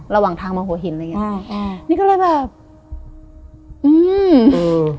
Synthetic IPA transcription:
ɾa˧waː˨˩ŋt̪ʰaː˧ŋmɔː˧ɦu˨˩˦ɦi˨˩˦nla˧˨ŋi˦˥˧niː˧˥kɔ˥˩lɤː˧jbɛː˨˩p̚ | ʔɯː˧mɤː˧

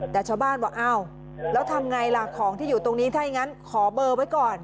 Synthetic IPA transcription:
t̪ɛː˨˩t͡ɕʰaː˥˩wbaː˥˩nbɔː˨˩kʔa˧˩w | lɛː˦˥wt̪ʰa˧mŋa˧jlaː˧kʰɔː˩˦ŋt̪ʰiː˥˩juː˨˩t̪o˧ŋniː˦˥t̪ʰaː˥˩ji˨˧˩ŋa˦˥nkʰɔː˩˦bɤː˧wa˦˥jkɔː˨˩n

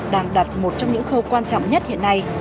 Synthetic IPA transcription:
ɗaː˧ŋɗa˨˩t̚mo˨˩t̚t͡ɕɔ˧ŋ͡mɲɨ̰˧˥ŋxə˧wkwaː˧nt͡ɕɔ̰˧˨wŋ͡mɲə˦˥t̚hḭ˧˨əna˧j

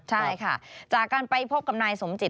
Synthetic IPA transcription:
t͡ɕʰa˥˩jkʰa˥˩t͡ɕaː˨˩kːaː˧npa˧jpʰo˦˥p̚ka˨p̚naː˧jso˩˦mt͡ɕi˨˩

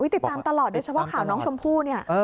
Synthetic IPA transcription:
wːt̪i˨˩t̪ːaː˧mt̪a˧lɔː˨˩t̪̚do˧t͡ɕʰa˦˥pʰɔ˥˩kʰaː˨˩˦wnɔː˦˥ŋt͡ɕʰo˧mpʰuː˥˩ni˥˩ɐː˧

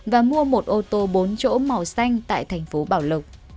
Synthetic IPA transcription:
vaː˨˩mu˧əmo˨˩t̚ʔo˧t̪o˧ɓo˨˦nt͡ɕo̰˧˥ma˨˩wsa˧jŋ̟t̪a̰ː˧˨jt̪ʰɛ˨˩jŋ̟fo˨˦ɓaː˧˩wlə˨˩k͡p̚

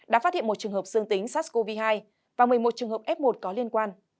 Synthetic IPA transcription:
ɗa̰ː˧˥faː˦˥t̚hḭ˧˨mo˨˩t̚t͡ɕɨ˨˩ŋhəː˨˩p̚z̥ɨ˧əŋt̪ï˨˦ŋ̟saː˦˥ko˧vi˧ɦaː˧j | vaː˨˩mɨ˨˩əjmo˨˩t̚t͡ɕɨ˨˩ŋhəː˨˩p̚ʔɛ˦˥p̚mo˨˩t̚kɔ˨˦li˧ənkwaː˧n

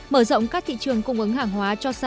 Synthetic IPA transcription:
məː˧˩zɔ̰˧˨wŋ͡mkaː˦˥k̚t̪ʰḭ˧˨t͡ɕɨ˨˩əŋkə˧wŋ͡mʔə˨˦ŋɦaː˨˩ŋɦwaː˨˦t͡ɕɔ˧sa˧

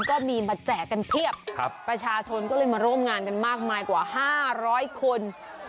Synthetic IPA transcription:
kɔː˥˩miː˧maː˧t͡ɕɛː˨˩kkːa˧np̪ʰi˥˩əp̚kʰp̚ːɾa˧t͡ɕʰaː˧t͡ɕʰo˧nkɔː˥˩lɤː˧jmaː˧ɾu˥˩mŋaː˧nka˧nmaː˥˩k̚maː˧jkwa̰ː˨˩ɦaː˥˩ɾɔː˦˥jkʰo˧n

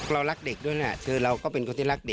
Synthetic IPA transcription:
ɾa˧wla˦˥k̚de˨˩k̚ɗu˥˩˨jna˦˧˩t̪ʰɯː˧ɾa˧wkɔː˥˩pe˧nkoː˧nt̪ʰiː˥˩la˦˥˩k̚de˨˩

